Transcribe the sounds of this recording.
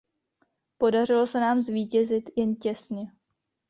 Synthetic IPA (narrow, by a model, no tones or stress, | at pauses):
po̞dar̝ɪlo̞sɛnaːmzviːcɛzɪt̪jɛncɛsɲɛ